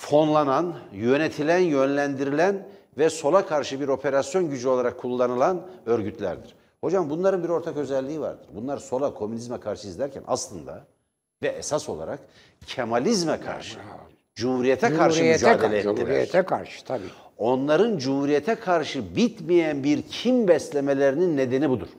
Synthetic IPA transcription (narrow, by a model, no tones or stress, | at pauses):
fo̞nlˠananjø̞net̪ʰilʲænjø̞nlʲænd̪iɾilʲæn | vɛso̞lˠakʰaɾʃɯbiɾo̞pʰe̞ɾasjo̞nɟyd͡ʒyo̞lˠaɾakʰːulˠːanɯlˠanø̞ɾɟyt̪ʰlʲæ̰ɾd̪iɾ̥ | ho̞d͡ʒambunlˠaɾɯnbiɾo̞ɾt̪ʰakø̞zɛlʲːiiva̰ɾd̪ɯɾbunlˠaɾso̞lˠakʰo̞mynizmɛkʰaɾʃɯizd̪æɾcʰæ̰nʔa̰slˠɯnd̪a̰ | vɛʔɛsaso̞̰lˠa̰ɾak | cʰemalʲizmɛkʰa̰ɾʃɯ | d͡ʒuhuɾijet̪ʰɛkʰaɾʃɯijmɛd͡ʒaɛːdelʲeilʲɛt̪ʰɛkʰaɾʃɯ̥t̪ʰabḭːo̞nlˠaɾɯnd͡ʒuhuɾijet̪ʰɛkʰaɾʃɯbit̪mijænbiɾcʰimbɛslʲemelʲeɾininːe̞d̪e̞nibud̪uɾ̥